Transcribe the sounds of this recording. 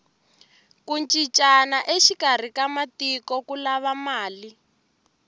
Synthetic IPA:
kunt͡ʃʼit͡ʃʼanaʔeʃikar̤ikamatikɔkulaβamaːli

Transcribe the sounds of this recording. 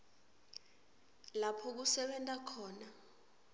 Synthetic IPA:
lapʰɔk̬usɛɓɛntʼakʰɔːna

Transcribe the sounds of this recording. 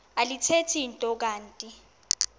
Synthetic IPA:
alitʰetʰintʼɔk̬aːntʼi

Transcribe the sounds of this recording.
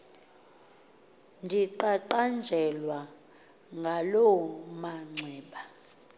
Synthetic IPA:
ndʱiǃaǃand͡ʒʱɛlwa | ŋɡʱalɔɔmaŋ͡ǀʱɛːɓa

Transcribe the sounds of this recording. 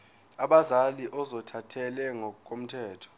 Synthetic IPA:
aɓazaliʔɔzɔtʰatʰɛlɛŋɔk̬ʼom̩tʰɛːtʰɔ̥

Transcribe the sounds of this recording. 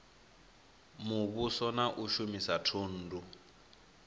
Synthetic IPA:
muβusɔnaʔuʃumisatʰuːn̩ːdu

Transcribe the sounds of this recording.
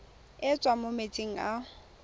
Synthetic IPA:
ɪt͡sʼwamomet͡sʼeŋ̩a

